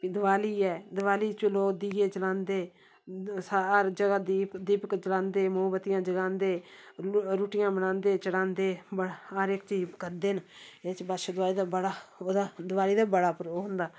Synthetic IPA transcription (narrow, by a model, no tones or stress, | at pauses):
pid̪ʊʋaːliːɛːd̪ʊʋaːliːt͡ʃloːkd̪iːɡeːt͡ʃəlãːnd̪eː | saəɾd͡ʒəɡaːd̪iːd̪iːpəkt͡ʃəlãːnd̪eːmõːbət̪ɪjãːd͡ʒəɡãːnd̪eː | ɾuːʈɪjãːbənãːnd̪eːt͡ʃəɽãːnd̪eːbəaɾɪkt͡ʃiːpkəɾd̪eːneːt͡ʃbaʃad̪ʊʋaːliːd̪aːbəɽaːoːd̪aːd̪ʊʋaːliːd̪aːbəɽaːpəɾoːɦʊ̃nd̪aː